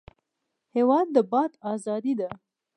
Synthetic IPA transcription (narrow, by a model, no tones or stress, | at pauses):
hewɑd̪̚ːəbɑt̪ɑzɑd̪id̪a